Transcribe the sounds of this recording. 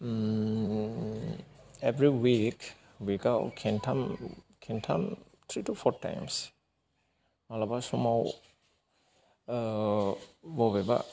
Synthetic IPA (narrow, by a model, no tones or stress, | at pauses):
ebɾiwik | wikawkʰentʰamkʰentʰam | t̪ʰɾitupʰɔɾta̰jms | malabasumaw | bɔbeba̰